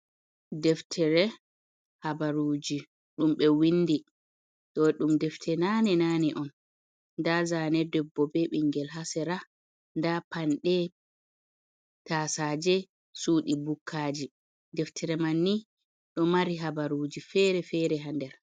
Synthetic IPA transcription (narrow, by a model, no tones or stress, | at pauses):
dɛftʰɛɾɛ | habaɾuːd͡ʒi | ɗumɓɛwinːdi | ɗɔɗumdɛftʰɛnanɛnanɛʔɔnː | dazanɛdɛbːɔbɛɓiŋɡɛlɦasɛɾa | ndapanɗɛ | taːsad͡ʒɛ | suɗibukʰːaːd͡ʒi | dɛftʰɛɾɛmanːi | ɗɔmaɾiɦabaɾuːd͡ʒifɛɾɛfɛɾɛɦandɛɾ